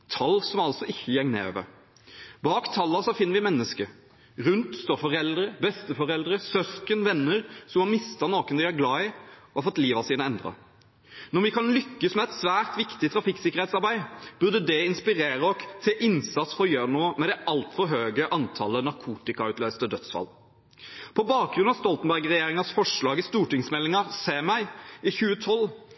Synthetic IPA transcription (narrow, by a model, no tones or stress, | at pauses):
t̪ʰɑlsɔmɑlt̪sɔʔɪçːəjɛŋnḛːø̰ːʋə̰ | bɑːkt̪ʰɑlːɑsɔfɪnːəɾʋɪmɛnːəskə | ʁʉnt̪st̪oːɾfɔʁɛld̪ɾəbɛst̪əfɔɾɛld̪ɾəsœskənʋɛnːəɾsɔmhɑmɪst̪ɑnoːkənd̪ɪæɾɡlɑːɪɔhɑfɔt̪ːliːʋɑsiːnəɛnd̪ʁɑ̰ | nɔɾʋɪkʰɑnlʏkːəsmɛɛt̪sʋæːʁt̪ʋɪkt̪ɪt̪ʰɾɑfɪkːsɪkːəʁɛt̪sɑɾbæɪb̥ʉʁd̪əd̪ɛɪnspɪɾeːɾəɔkt̪ʰɪʔɪnsɑt̪sfɔʁjøːɾənuːmɛd̪ɛʔɑlt̪fɔɾɦøːɡəʔɑnt̪ʰɑ̰lːənɑɾkʰuːt̪ɪkɑʉːt̪løʏst̪əd̪œt̪sfɑ̰l | pʰɔbɑːk̚ɡɾʁʉnɑʋst̪ɔlt̪ənbæʁɡʁɛjeːɾɪŋɑsfɔʂɭɑːɡəst̪uːʈɪŋsmɛlːɪŋɑseːmæɪɪçʉːət̪ʰɔl